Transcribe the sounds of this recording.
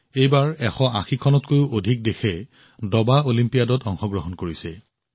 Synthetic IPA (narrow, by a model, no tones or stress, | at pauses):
ejbaɹɛxɔʔaxikʰɔnɔtkojʊʔodʱik̚dexʰɛ | dɔbaolimpijadɔtɔŋxɔɡɹɔɦɔnkoɹisɛ